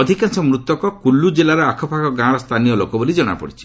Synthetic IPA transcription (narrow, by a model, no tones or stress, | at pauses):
ɔd̪ʱikansɔmɾut̪ːɔkɔkulːud͡ʒelaɾɔakʰɔpʰakɔɡãɽɔst̪ʰanijɔlokɔbolid͡ʒɔɽ̃a̰pɔ̰ɽit͡ʃʰi̥